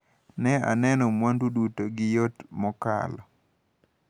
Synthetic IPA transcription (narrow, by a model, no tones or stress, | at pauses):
nɛa̰nɛnɔmwandudutoɡɪjotmɔka̰lɔ